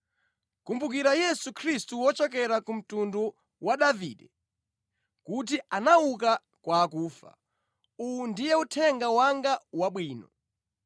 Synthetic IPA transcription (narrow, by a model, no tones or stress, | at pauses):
kumbuk̬iɾajɛsukʰɾistuwɔt͡ʃɔkɛɾakum̩tundɔ | waɗaviːɗɛ | kut̬iʔanauk̬a | kwaːkuːfa̰ | undijɛutʰɛŋɡawaŋɡawaɓwiːnɔ̰